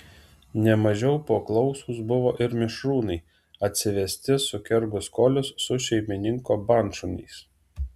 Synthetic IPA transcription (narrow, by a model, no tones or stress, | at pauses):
nʲɛmɐʒʲɛʊpoːklˠɒʊsuːsbʊʋoːʔɪɾmʲɪʃɾuːnɐɪ | ɐt̪ʲsʲɪʋʲɛsʲt̪ʲɪsʊkʲɛɾɡʊskɔlʲʊsːʊʃʲɛɪmʲɪnʲɪŋkoːbɑnʃʊnʲɛ̰ɪs